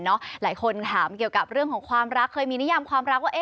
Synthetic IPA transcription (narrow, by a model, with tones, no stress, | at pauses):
nɔ˦˥laː˩˦jkʰo˧nt̪ʰaː˩˦mki˨˩əwka˨˩p̚ɾɯ˥˩əŋkʰɔː˨˩˦ŋkʰwaː˧mɾa˦˥kʰːɤː˧jmiː˧ni˦˥ja˧mkʰwaː˧mɾa˦˥k̚waː˥˩ʔe˧